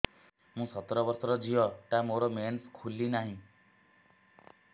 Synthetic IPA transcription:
mũːsʌt̪ɾɔbʌɾsɔɾɔd͡ʒʱiɔʈ̪amoɾomenskʰulːinaɦĩ

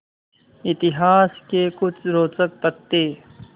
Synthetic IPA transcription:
ɪt̪ɪɦaːskekʊt͡ʃʰɾoːt͡sək̚pət̪ːeː

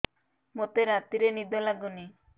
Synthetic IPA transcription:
mot̪eɾat̪iɾenid̪olaɡuni

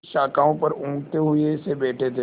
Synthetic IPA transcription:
ʃaːkaːõpɐɾũːkt̪eɦʊesebɛːʈʰet̪ʰe

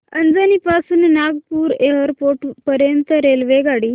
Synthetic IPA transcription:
ənd͡zanipasuːnnaɡpuːɾeɦəɾpoʈpəɾjənt̪əɾelʋeɡaɽi

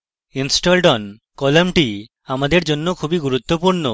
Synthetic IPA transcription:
insʈolʈɔn | kɔlamʈi | amad̪eɾd͡ʑonːokʰubiɡuɾut̪ːopuɾno

